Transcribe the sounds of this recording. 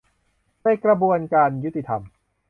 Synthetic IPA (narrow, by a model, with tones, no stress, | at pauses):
naː˧˥˩jkɾa˧bu˧ənkaː˧nju˦˥t̪ːi˧t̪ʰa̰˧m